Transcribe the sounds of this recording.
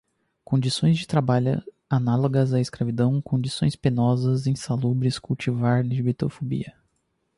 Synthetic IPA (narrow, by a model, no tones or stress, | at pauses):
kõd͡ʒisõj̃zd͡ʒɪt̪ɾabaʎʊ̰ | analoɡɐzɐiskɾavid̪ɐ̃w̃kõd͡ʒisõj̃spenɔzɐzẽj̃salubɾɪskuwt͡ʃivaɾliʒbit̪ofobḭɐ